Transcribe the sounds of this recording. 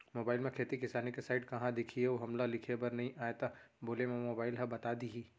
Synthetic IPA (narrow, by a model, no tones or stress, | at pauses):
moːbaːɪlmẽkʰeːt̪ikɪsaːnikesaːɪʈkɐɦãd̪ɪkʰieoɦɐmlalɪkʰebɐɾnɐɦĩʔaːet̪aboːlemẽmoːbaːɪlɦɐbɐt̪aːd̪iɦiː